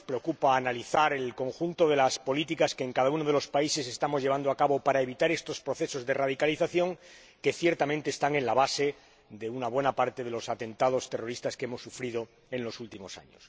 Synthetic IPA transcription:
spɾeokupaːnaliθaɾe̞lko̞ŋxunt̪o̞ð̞e̞laspo̞lit̪ikaskeːŋkaðaunoð̞e̞lo̞spaise̞se̞st̪amo̞zʝeand̪oakaβo̞paɾae̞β̞it̪aɾe̞st̪o̞spɾo̞θe̞so̞zðe̞raðikaliθaθjo̞ŋ | ke̞θje̞ɾt̪amẽnt̪eːst̪aŋẽ̞nlaβase̞ | ðe̞unaβwe̞napaɾt̪e̞ð̞e̞lo̞sat̪e̞nt̪að̞o̞st̪e̞ro̞ɾist̪askeemo̞sːufɾið̞o̞ | e̞nlo̞sult̪imo̞sa̰ɲo̰s

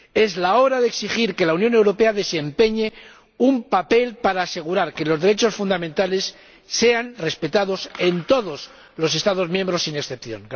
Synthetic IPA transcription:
e̞zlao̞ɾaðeksixiɾke̞launjo̞ne̞wɾo̞pe̞aðe̞se̞mpe̞ɲe̞ | umpape̞lpaɾaːse̞ɣ̞uɾaɾke̞lo̞zðeɾe̞t͡ʃo̞sfund̪amẽnt̪ale̞sː | e̞anre̞spe̞t̪aðo̞se̞nt̪o̞ðo̞s | lo̞s̬e̞st̪aðo̞zmjẽ̞mbɾo̞sːineksθe̞pθjo̞̰ŋ

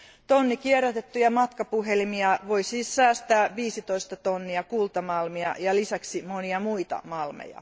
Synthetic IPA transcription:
t̪onːikierːɑt̪et̪ːujɑmɑt̪kɑpuɦelimiɑʋoisiːsːæːst̪æːʋiːsit̪oist̪ɑt̪onːiɑkult̪ɑmɑlmiɑ̰jɑlisæksimoniɑmuit̪ɑ̰mɑlmḛjɑ̰

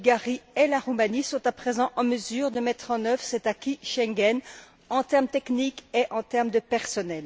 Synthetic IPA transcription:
lɡaʁielaʁumanisɔ̃t̪apχezɑ̃ʔɑ̃məzyːʁd̪əmɛt̪χɑ̃nœvʁəsɛt̪akʲiʃɛ̃ɡɛn | ɑ̃t̪ɛʁmt̪eknikeʔɑ̃t̪ɛʁmd̪əpɛʁsɔnɛl

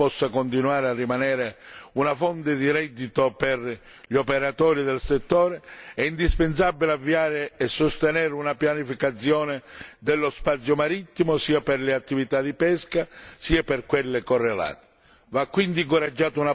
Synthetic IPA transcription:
pɔsːakont̪inuaːɾearːimanɛːɾeunafɔnt̪ɪd̪iɾɛd̪ːit̪opɛr | ʎopeɾat̪ɔːɾid̪ɛlset̪ːɔːɾeɛind̪ispens̬abːilavːiaːɾɪɛsːost̪enɛːɾunapjanifikat̪sːjɔːnɪd̪ɛlːospat̪sːjomaɾit̪ːimosiːapɛrlɪat̪ːivit̪ad̪ipɛskasiːapɪrkwelːɪkorːela̰ːt̪e̥ | vakːwind̪iŋkoɾad͡ʒːaːt̪ʊuna

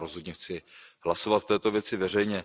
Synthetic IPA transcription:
ɾozɦo̞d̪ɲɛxt͡sɪɦlaso̞vat̪ft̪ɛːt̪o̞vjɛt͡sɪvɛr̝ɛjɲɛ

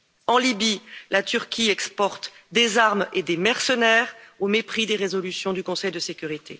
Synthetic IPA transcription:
ɑ̃libilat̪yʁkʲiɛkspɔʁt̪d̪ezaʁmed̪emɛʁsənɛːʁomepχid̪eʁezɔlysjɔ̃d̪ykɔ̃sɛjd̪əsekʲyʁit̪ʰe

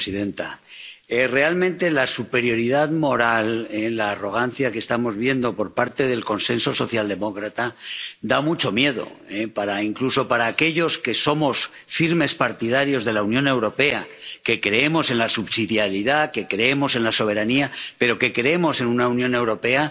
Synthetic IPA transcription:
siðe̞nt̪aere̞almẽnt̪e̞lasupe̞ɾjo̞ɾið̞aðmo̞ɾalelaːro̞ɣ̞anθjake̞st̪amo̞zβjend̪o̞po̞ɾpaɾt̪e̞ðe̞lko̞nse̞nso̞so̞θjald̪e̞mo̞kɾat̪ad̪amut͡ʃo̞mje̞ð̞o̞̰ | epaɾaiŋkluso̞paɾaːke̞ʎo̞ske̞so̞mo̞s | fiɾme̞spaɾt̪iðaɾjo̞zð̞e̞launjõ̞ne̞wɾo̞pe̞ake̞kɾe̞e̞mo̞se̞nlasuβsiðjaɾiðake̞kɾe̞emo̞se̞nlaso̞β̞e̞ɾaniape̞ɾo̞ke̞kɾeemo̞se̞nunaunjõ̞ne̞wɾo̞pe̞a

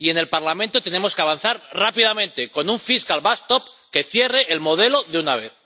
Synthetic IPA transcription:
ie̞ne̞lpaɾlamẽnt̪o̞t̪e̞ne̞mo̞ske̞aβanθaɾrapiðamẽ̞nt̪e̞ko̞nuɱfiskalβast̪op | ke̞θje̞re̞ʔːlmo̞ðe̞lo̞ðeunaβ̞e̞θ

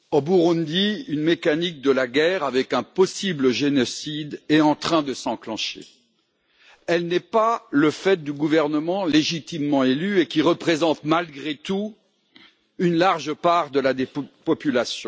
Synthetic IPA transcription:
obuʁɔ̃nd̪iynmekanik̚d̪əlaɡɛʁavɛkɛ̃pɔsibləʒenɔsid̪ɛɑ̃t̪χɛ̃d̪əsɑ̃klɑ̃ʃḛ | ɛlnɛpaləfɛt̪̚d̪yɡuvɛʁnəmɑ̃leʒit̪imːɑ̃elyekʲiʁəpχezɑ̃t̪malɡʁet̪u | ynlaʁʒəpaʁd̪əlad̪epɔpylasjɔ̰̃

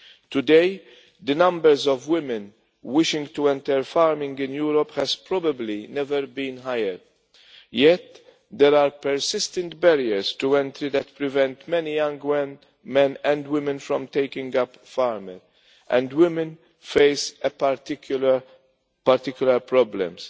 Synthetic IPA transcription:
t̪ud̪eɪ | d̪ənɐ̃mbəɾzɔvwɪmɪ̃n | wɪʃɪ̃ŋɡt̪uɛ̃nt̪ɛɾfaːɾmɪ̃ŋɡɪ̃njuːɾɔphɛz̥pɾɔbəblinɛvəɾbĩːnɦajəɾ | jɛt̪ | d̪ɛɾaːɾpəɾsɪst̪ɛ̃nt̪̚bɛɾiəɾst̪uɛ̃nt̪ɾid̪ɛt̪pɾɪvɛ̃nt̪mɛnijɐ̃ŋɡwɛn | mɛ̃nɛ̃nd̪wɪmɛ̃nfɾɔ̃mt̪eɪkɪ̃ŋɡɐp | faːɾməɾ | ʔɛ̰̃nd̪wɪmɛ̃n | feɪsɛpaɾtɪkl | pɐɾt̪ɪkjʊlɐɾpɾɔblɛ̰̃ms

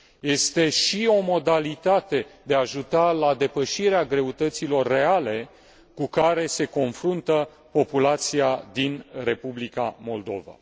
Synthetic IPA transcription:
je̞st̪e̞ʃio̞mo̞d̪alit̪at̪e̞d̪eaʒut̪alad̪e̞pəʃiɾeaɡɾe̞ut̪ət̪silo̞rːe̞ale̞ | kukaɾe̞se̞ko̞nfɾunt̪ə | po̞pulat̪siad̪inre̞publika̰mo̞ld̪o̞va̰

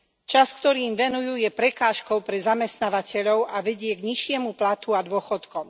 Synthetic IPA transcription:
t͡ʃaskt̪ɔɾiːmʋɛnujuːjɛpɾɛkaːʃkɔʊpɾɛzamɛst̪naːʋacɛʎɔʊʔaʋɛɟɪɛɡɲiʃɪɛmuplat̪uad̪ʊɔxɔt̪kɔm

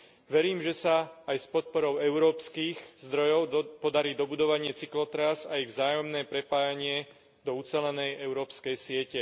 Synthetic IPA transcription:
ʋɛɾiːmʒɛsaːjspɔt̪̚pɔɾɔʊɛʊɾɔːpskiːɣzd̪ɾɔjɔʊpɔd̪aɾiːd̪ɔbud̪ɔʋaɲɪɛt͡siklɔt̪ɾazaiɣvzaːjɔmnɛːpɾɛpaːjaɲɪɛ | d̪ɔut͡sɛlɛnɛjɛʊɾɔːpskɛjsɪɛcɛ

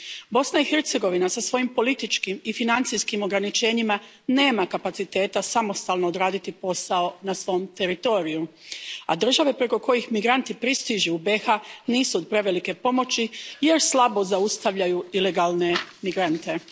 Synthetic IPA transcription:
bo̞snaixe̞ɾt̪se̞ɡo̞ʋinasasʋo̞jimpo̞lit̪it͡ʃkimifinant̪sijskimo̞ɡɾanit͡ʃe̞ːɲima | ne̞ːmakapat̪sit̪e̞ːt̪asamo̞st̪aːlˠno̞ːd̪ɾaːd̪it̪ipo̞sao̞nasʋo̞mt̪e̞ɾit̪o̞ːɾijua̰d̪r̩ʒaʋe̞pɾe̞ko̞ko̞jixmiɡɾant̪ipɾist̪iʒuube̞xaniːsuod̪̚pɾe̞ʋe̞like̞po̞mo̞t͡ɕije̞ɾslˠabo̞zaust̪aʋʎajuile̞ɡaːlˠne̞miɡɾant̪e̞

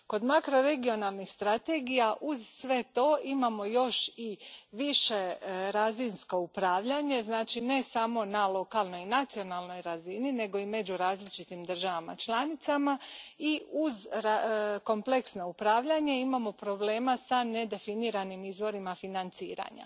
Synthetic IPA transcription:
ko̞d̪makɾo̞ɾe̞ɡio̞nalˠnixst̪ɾat̪e̞ːɡijaʔuzsʋe̞t̪o̞ːimamo̞jo̞ʃiʋiʃe̞ɾazinsko̞upɾaːʋʎaɲe̞znaːt͡ʃine̞samo̞nalˠo̞kalˠno̞jinat̪sio̞nalˠno̞jɾazinine̞ɡo̞ime̞d͡ʑuɾaːzlit͡ʃit̪imd̪r̩ʒaʋama̰t͡ʃlanit̪samaiuzɾako̞mple̞ksnoupɾaːʋʎaɲe̞imamo̞pɾo̞ble̞ːmasane̞d̪e̞finiɾanimizʋo̞ɾimafinant̪sḭːɾa̰ɲa̰

